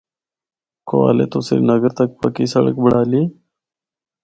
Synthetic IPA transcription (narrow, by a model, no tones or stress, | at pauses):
koa̰ːlḛt̪oseɾinɐɡəɾt̪ak̚pəkisɐɽə̰kbəɽaːli